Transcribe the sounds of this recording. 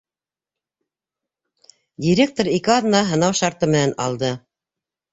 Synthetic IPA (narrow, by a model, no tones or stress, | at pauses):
dʲiɾʲek̚t̪oɾikɘɑd̪nɑɦɤ̆nɑwʃɑɾt̪ɤmɘ̆nænɑ̰lˠd̪ɤ